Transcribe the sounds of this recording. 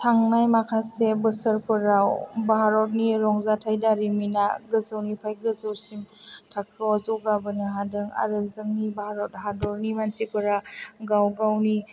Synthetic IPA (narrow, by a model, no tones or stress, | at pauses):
tʰaŋnajmakʰasebɯsəɾpʰɯɾawbaɦaɾɔt̚niɾɔŋzatʰajdaɾiminaɡəzəwnipʰajk̚ɡəzɯwsimtʰakʰːɯɔzɯwɡabɯnɯɦadɯŋa̰ɾɯzɯŋnibahaɾɔt̚ɦadɔɾnimansipɯɾaɡawɡawni